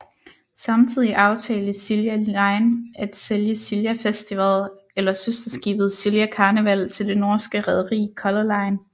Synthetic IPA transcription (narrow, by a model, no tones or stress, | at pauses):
sɑ̈mt͡sʰið̞̰ˠiʔɑ̈ʊt͡sʰɛ̰ːləsiljæɑ̈ɪnʔæd̥seljəsiljæfesd̥iʋæðˠ | elɐsøsd̥ɐsɡ̥ḭːb̥ð̞̩ˠsiljækʰɑ̈ːnəʋæl̰t͡sʰe̝ld̥e̝nɔːsɡ̥əʁɛð̞ˠɐʁḭːkʰɒ̽lɐlɑ̈ɪn